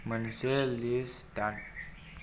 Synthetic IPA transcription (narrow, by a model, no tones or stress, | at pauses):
mənselist̪an